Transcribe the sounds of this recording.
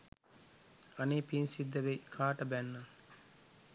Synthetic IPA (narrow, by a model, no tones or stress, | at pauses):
ɐneːpinsid̪ːɐʋekʰaːʈəbænːɐ